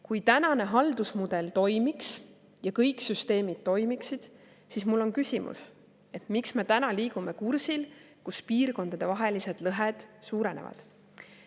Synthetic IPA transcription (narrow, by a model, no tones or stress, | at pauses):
kujt̪ænɑne̞ɦɑld̪usmud̪e̞lt̪o̞jmiks | jɑkɤjksyst̪e̞ːmid̪̥̚t̪ːo̞jmiksid̪̥ | sismulːo̞nkysʲimʔṵs | e̞t̪ˑmiksme̞t̪ænɑliːɡ̥ume̞kursil | kuspiːrko̞nd̪̥ɑd̪̥e̞vɑɦe̞lise̞d̪̥lɤɦed̪̥suːɾe̞nḛvɑ̰d̪̥